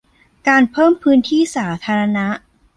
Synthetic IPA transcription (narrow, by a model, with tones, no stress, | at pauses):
kaː˧npʰɤː˥˩mpʰɯː˦˥nt̪ʰiː˥˩saː˩˦t̪ʰaː˧ɾa˧na˦˥ʔ